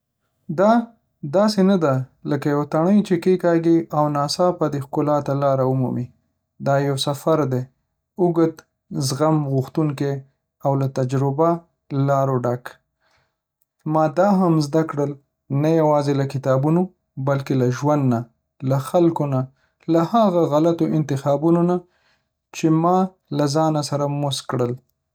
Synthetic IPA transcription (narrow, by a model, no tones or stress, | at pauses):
d̪ɑ | d̪ɑsenad̪aləkajawt̪aɳ̃əjt͡ʃekekɑɡiawnɑsɑpad̪exkʊlɑt̪alɑɾaʊmṵmi | d̪ɑjawsafaɾd̪e | ʊɡət̪ | zɣamɣʊxt̪uŋke | awlat̪ad͡ʒɾɪba | lɑɾoɖak | mɑd̪ɑɦamzd̪akɽəl | najawɑzelakɪt̪ɑbuno | balkelaʒwand̪na | laxalkona | lahaɣaɣalat̪oʔɪnt̪ɪxɑbunona | t͡ʃemɑ | lazɑnasaɾamʊskɽəl